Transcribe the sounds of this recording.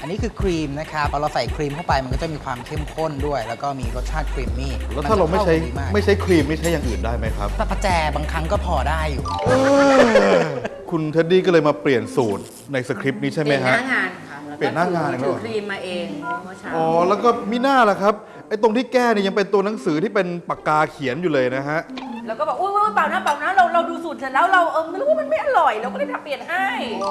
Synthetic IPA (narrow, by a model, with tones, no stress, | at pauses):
ʔa˧nːiː˦˥kʰɯː˧kʰɾiː˧mna˦˥kʰa˦˥pʰːɔː˧˥ɾa˧wsa˨˩jkʰɾiː˧mt̪ʰwpa˧jma˧nkɔ˥˩t͡ɕa˩miː˧kʰwaː˧mkʰe˥˩mkʰo˥˩ndu˥˩əjlɛː˦˥wkɔː˥˩miː˧ɾo˦˥t̪̚t͡ɕʰaː˥˩t̪̚kʰɾiː˧mniː˥˩lɛː˦˥t̪ʰa˥˩ɾa˧ma˥˩˥t͡ɕʰa˦˥jmaː˥˩ma˥˩jt͡ɕʰa˦˥jkʰɾiː˧mːa˥˩jt͡ɕʰa˦˥jːaː˨˧ŋʔɯː˨˩ndaː˥˩jma˦˥jkʰɾa˦˥p̚ʰa˥˩pʰa˧˩t͡ɕɛː˧baː˧ŋkʰɾa˦˥ŋkɔː˥˩pʰɔː˧daː˥˩jːuː˨˩ʔɤː˧ | kʰu˧nt̪ʰa˦˥diː˥˩kɔ˥˩ɤː˧jmaː˧pli˨˩ənsuː˨˩t̪̚ | na˧jsaː˧kʰɾi˦˥p̚niː˦˥t͡ɕʰa˥˩ma˦jkʰa˦˥˩ŋaː˧nʰ˦pli˨˩ənːaː˥˩ŋaː˧na˨˧ŋʰ˦˧˥k̪ʰɾiː˧mːaː˧ʔeː˧ŋʔɔː˨˩lɛː˦˥wkɔː˥˩mi˦˥˩naː˥˩la˨˩kʰa˦˥p̚ | ʔʔa˥˩jt̪o˧ŋt̪ʰiː˥˩kɛː˥˩ni˩ja˧ŋpe˧nt̪u˧ɐna˩˦ŋsɯː˩˦t̪ʰiː˥˩pe˧npa˨˩kaː˧kʰi˨˩˦njuː˨lɤː˧jna˦˥kʰa˦˥ʔlɛː˦˥wkɔː˥˩bɛ˨˩ʔuː˧˥˧paː˨˩wnaː˥˩paː˨˩wnaː˦˥ɾa˧wɾa˧wduː˧su˨˩t̪̚sa˨˧˩lɛː˦˥wɾa˧wʔɤː˧mɯ˧˦lwa˥˦˥ma˧nma˥˩jʔa˨˩ɾɔ˨˩jlɛ˦˥wkɔː˥˩lːjt̪ʰa˧mpli˨˩ənɦa˥˩j